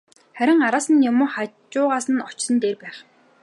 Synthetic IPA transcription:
χæɾʲɪ̆ŋaɾaːsə̆njʊmʊːχat͡ɕʊːʁaːsə̆nɔt͡ɕsə̆nt̪eːrpæːχ

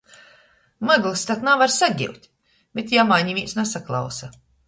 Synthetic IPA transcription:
maɡlˠst̪at̪navaɾsaɡʲḭwt̪ʲ | b̥ʲet̪jamajɲʲivʲiːnsnasaklˠa̰wsa

